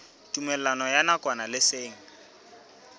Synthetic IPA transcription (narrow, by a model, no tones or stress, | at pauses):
tʼumɛlanɔjanakʼwanalɪseːŋ̩